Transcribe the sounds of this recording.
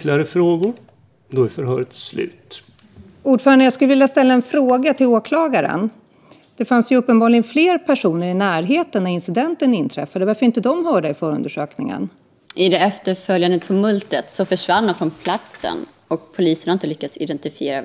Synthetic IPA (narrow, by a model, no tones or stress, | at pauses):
lɪaɾəfɾoːɡʊɾ | d̪ɔæɾfœɾɦœːɾət̪slʉ̟̰ːt̪ | uːɖfœːɾaɳd̪əjɑːskɵlːəvɪljast̪ɛlːaɛnfɾoːɡat̪ʰɪloːkʰlɑːɡaɾə̰n | d̪̥ɛfansjɵɵpːənbɑːɡlɪɡənfleːɾpʰæʂuːnəɾɪnæːɾɦeːt̪ənːɛɪnsɪd̪ɛnt̪ənɪnt̪ʰɾɛfːad̪əvaɾfœəɾɪnt̪əd̪ɔmɦœːɖəɪfœːɾɵ̰nd̪əʂø̰ːknɪ̰ŋə̰n | ʔɪd̪ɛɛft̪əɾfœljand̪ət̪ʰʊmɵlt̪ət̪sɔfœʂvand̪ɔmfɾɔnpʰlat̪sə̰n | ɔk̚pʰʊliːsəɳaɪnt̪əlʏkːad̪sɪ̰d̪ɛnt̪ɪfɪeːɾa